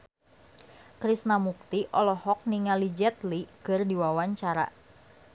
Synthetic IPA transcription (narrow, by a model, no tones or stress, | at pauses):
kɾisnamuk̚t̪iʔɔlɔhɔk̚niŋalid͡ʒɛt̪likɨrdiwawaɲt͡ʃaɾa̰